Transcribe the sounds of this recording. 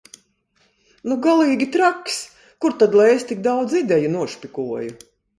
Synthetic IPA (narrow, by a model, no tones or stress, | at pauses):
nuɡalˠiːɡʲit̪ɾaks | kuɾt̪ad̪lˠajest̪ik̚d̪awd̪zid̪ʲɛjunuɔʃpʲikuɔju